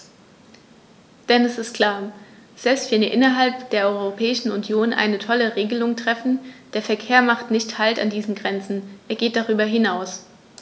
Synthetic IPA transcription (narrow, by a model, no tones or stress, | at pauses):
d̥ɛnɛsɪstkʰl̥aːɐz̥ɛlpstv̥ɛniʔɪnɐɦalpd̥eːɐʔɔʏʁopʰɛːɪʃn̩ʊnjoːnʔa̰ɪnətʰɔləʁeːɡəlʊŋtʁ̥ɛfn̩d̥eːɐfɛɐkʰeːɐmaχtnɪçthalta̰ndiːzn̩ɡʁɛnt͡sn̩ʔeːɐɡeːt̚d̥aʁ̞yːbɐɦɪnaʊs